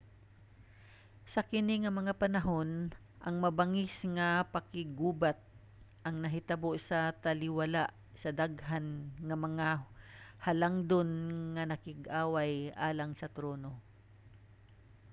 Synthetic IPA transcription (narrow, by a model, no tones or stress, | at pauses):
sɐkɪnɪŋɐmɐŋapɐnɐɦo̞n | ʔɐŋmɐbɐŋɪsŋɐpɐkɪɡuːbat̪̚ | ʔɐŋnɐɦɪt̪ɐboʔsɐt̪ɐlɪwɐlaʔ | sɐd̪aɡɦanŋɐmɐŋa | hɐlaŋd̪onŋɐnɐkɪɡʔaːwajʔaːlɐŋsɐt̪ɾoːno̞